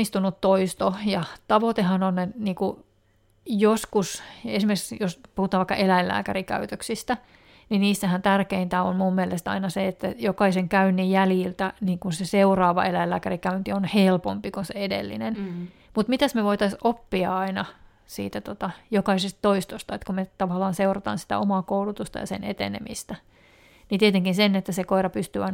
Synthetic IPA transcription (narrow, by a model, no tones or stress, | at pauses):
ist̪unut̪toist̪ojɑt̪ɑʋot̪ehɑnoneniːku | joskusesimerksjospuhut̪ɑːʋɑikːɑ̰ʔelæillæ̰ːkærikæ̰yt̪øksist̪æ | niniːsːæhænt̪ærkeint̪æo̰nmumːielest̪ɑ̰inɑseet̪ːæjokɑiseŋkæynːijjæljilt̪æniːŋkunseseurɑːʋɑ̰elæilːæːkærikæynt̪ionhelpompikunseedḛlːḭnen | mut̪mit̪æsmeʋoit̪ɑsopːiɑɑinɑ | sḭːt̪æt̪ot̪ɑjokɑisest̪t̪oist̪ost̪ɑet̪kumet̪ɑʋɑlːɑːnseurɑt̪ɑ̰ːnsi̥t̪æ̰omɑːkoulut̪ust̪ɑ̰jɑ̰sḛnḛt̪ḛnḛmist̪æ | nit̪iet̪eŋkinsenet̪ːæsekoirɑpyst̪yːɑin